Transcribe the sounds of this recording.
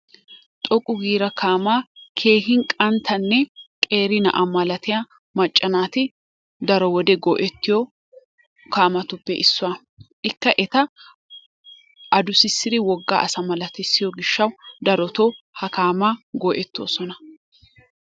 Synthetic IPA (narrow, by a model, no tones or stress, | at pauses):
t̪ʼɔkʼʊɡiːɾɐkʰaːmaːkʰe̞ːhɪŋkʼɐnt̪ʰɐnːɛkʼe̞ːɾɪnɐ̰ʔɐmɐlɐt̪ɪja | mɐt͡ʃʼːɐnaːt̪ɪ | d̪ɐɾɔwɔd̪ɛɡɔːʔɛt̪ːɪjɔ | kaːmɐt̪ʊpːɛʔɪsːʊa | ʔɪkːɐʔɛt̪ɐ | ʔɐd̪ʊsɪsːɪd̪ɪwɔɡːa̰ːʔɐsɐmɐlɐt̪ɛsːɪjɔɡɪʃːɐwd̪ɐɾɔt̪o | hɐkaːmaːɡɔːʔɛt̪ːo̰ːsɔnɐ